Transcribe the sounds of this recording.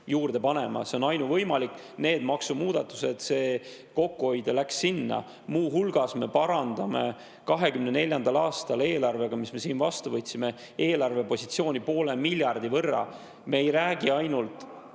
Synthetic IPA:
juːrd̪̥e̞pɑne̞mɑ̰seo̞nɑjnuvɤjmɑlikː | ne̞ːd̪̥mɑksumuːd̪̥ɑt̪ːˑu̥se̞d̪̥se̞ː | ko̞kːuho̞jd̪̥elæksːinːɑ̰ | muːɦulɡ̥ɑsme̞pɑɾɑnd̪̥ɑme̞ | kɑɦe̞kymne̞ne̞lʲjɑnd̪̥ɑlɑːst̪ɑle̞ːlɑrve̞ɡ̥ɑmisme̞siːnvɑst̪uvɤt̪ʲːsime̞ | e̞ːlɑrve̞po̞sit̪sio̞ːnʲipo̞ːle̞milʲjɑrd̪̥ivɤrːɑ̰ | me̞ːjɾæːɡ̥iɑjnult̪ˑ

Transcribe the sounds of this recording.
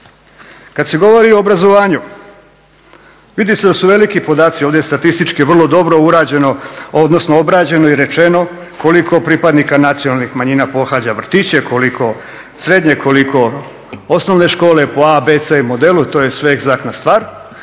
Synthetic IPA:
kad̪se̞ɡo̞ʋoɾioːbɾazo̞ʋaːɲu | ʋid̪ise̞d̪asuʋelikipo̞d̪aːt̪sio̞ːʋd̪e̞st̪at̪ist̪it͡ʃkiʋr̩lˠo̞d̪o̞bɾo̞uɾaːd͡ʑenood̪no̞snoobɾaːd͡ʑe̞no̞iɾe̞t͡ʃe̞no̞ | ko̞likʰo̞pɾiːpad̪nikanat̪sijo̞nalnixmaɲiːnapo̞xaːd͡ʑaʋr̩t̪it͡ɕe̞kʰo̞likʰo̞ | sɾe̞d̪ɲe̞kʰo̞likʰo̞ | osno̞ʋne̞ʃko̞ːle̞po̞abet̪seimo̞d̪elut̪o̞ːje̞sʋe̞eɡzaknast̪ʋaːɾ

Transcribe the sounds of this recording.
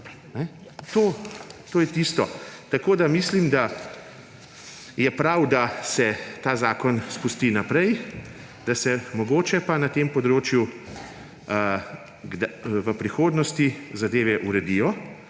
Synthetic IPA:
nɛ | t̪oːt̪oːjɛt̪iːst̪ɔt̪akoːd̪amiːslimd̪a | jɛpɾawd̪asɛt̪aːzaːkɔnspust̪inapɾɛj | d̪̥asɛmɔɡoːt͡ʃɛpanat̪empɔd̪ɾoːt͡ʃju | ɡd̪ʋəpɾixoːd̪nɔst̪izad̪eːʋɛʔuɾɛd̪iːjɔ

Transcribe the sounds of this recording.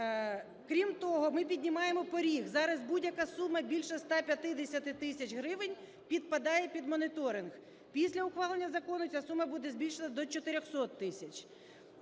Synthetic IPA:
kɾʲimt̪ɔɦɔmɪpʲidʲnʲimɑjemɔpɔɾʲiɣzɑɾɐzbudʲjɐkɑsumɐbʲilʲʃɛst̪ɑpʲjɐt̪ɪd̪esʲɐt̪ɪt̪ɪsʲɐt͡ʃɦɾɪʋenʲ | pʲid̪̚pɐd̪ɑjɛpʲid̪mɔnɪt̪ɔɾɪnɣ | pʲisʲlʲɐʊxʋɑlˠenʲːɐzɐkɔnʊt͡sʲasumɐbud̪ɛzʲbʲilʲʃenɐd̪ɔt͡ʃɔt̪ɪɾʲɔxsɔt̪ːɪsʲɐt͡ʃʲ

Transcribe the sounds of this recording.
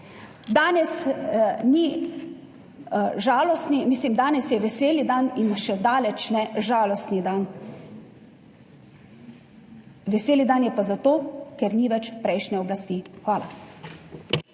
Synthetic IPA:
d̪aːnɛsni | ʒaːlɔst̪nimiːslimd̪aːnɛsjɛʋɛseːlid̪aninʃɛd̪aːlɛt͡ʃnɛʒaːlɔst̪nid̪an | ʋɛseːlid̪anjɛpazat̪oːkɛɾniʋɛt͡ʃpɾɛjʃnɛɔblast̪iːxʋaːla̰

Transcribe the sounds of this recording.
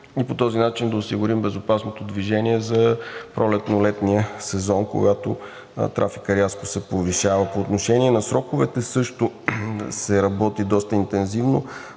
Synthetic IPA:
ipot̪ɔzinat͡ʃind̪ɐosiɡʊɾimbɛzopasnot̪od̪viʒɛniɛzɐpɾʔɔlɛt̪nolɛt̪nijəsɛzɔnko̰ɡat̪o̰ | t̪ɾʔafikəɾjaskosɛpoviʃavəpoːt̪noʃɛniɛnɐsɾɔkʊvɛt̪ɛsɤʃt̪osɛɾɐbɔt̪id̪ɔst̪əint̪ɛnzivno

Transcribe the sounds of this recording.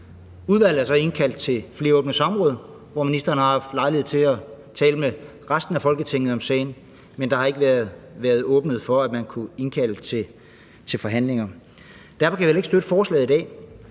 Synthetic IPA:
uðˠʋæl̰ð̩æɐsɒ̽e̝nkʰæl̰d̥̚t͡sʰe̝fle̝ːɐɔ̽ːb̥nəsɒ̽mʁɔ̽ːð̞ˠ | ʋɒminisd̥ɐːn̩hɑ̈hɑ̈fd̥lɑ̈ɪlieð̩ˠt͡sʰe̝læ | t͡sʰɛːləme | ʁasd̥n̩æfɒ̽lɡ̥ət͡sʰe̝ŋ̰ð̩ˠɒ̽msɛːɪn | mend̥ɑ̈hɑ̈e̝ɡ̥əʋæɐðˠʋæːɐð̞̩ˠɔːb̥nəð̞̩ˠfɒ̽æd̥mænkʰue̝nkʰæl̰ət͡sʰe̝ | t͡sʰe̝lfɒ̽ɦæn̰le̝ŋɐ | d̥æɐfɒ̽kʰæʋiʋele̝ɡ̥sd̥øɾ̥əfɒːslɛ̰ːð̩ˠid̥ɛ̰ː

